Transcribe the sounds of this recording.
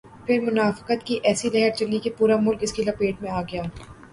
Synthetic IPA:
pʰɪɾmʊnaːfɪ̥qət̪kiʔɛːsilɛɦəɾt͡ʃɐlikepuːɾamʊlkɪskilɐpeːʈmẽaːɡɐjaː

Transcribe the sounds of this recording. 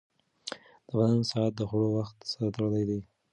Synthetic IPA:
d̪̥əbanansɑat̪̚d̪əxɽowaxt̪saɾt̪aɽəlajd̪e

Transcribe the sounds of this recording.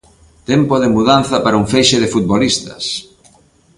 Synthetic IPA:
t̪empoðɪmuðanθɐpaɾɐuŋfejʃeðɪfut̪̚βolist̪ɐs

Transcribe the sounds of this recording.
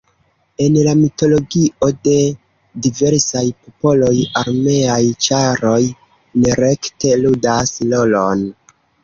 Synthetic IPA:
e̞nlamito̞lo̞ɡio̞de̞ | dive̞ɾsajpo̞po̞lo̞jaɾme̞ajt͡ʃaɾo̞j | neɾe̞kte̞ludaslo̞lo̞n

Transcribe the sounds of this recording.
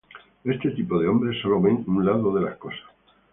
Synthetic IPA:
e̞st̪e̞t̪ipoð̞eo̞mbɾe̞sːo̞lo̞βeŋunlaðoðe̞lasko̞sḁs

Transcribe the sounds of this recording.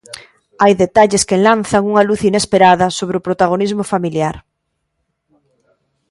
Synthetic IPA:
ajðet̪aʎeskenlanθaŋuŋaluθinespeɾaðɐsoβ̞ɾɪopɾot̪aɣ̞onizmʊfamiljaɾ

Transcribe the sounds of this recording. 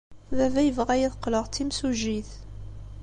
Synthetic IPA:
ðævæjəvʁæjiðəqːləʁt̪ːimsuʒːiθ

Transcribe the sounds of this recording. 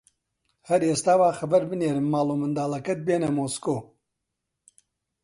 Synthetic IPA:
hɐɾeːst̪aːwaːxɐbɐɾbɨneːɾɨmːaːloːmɨnd̪aːlɐkɐt̪̚beːnɐmoːskoː

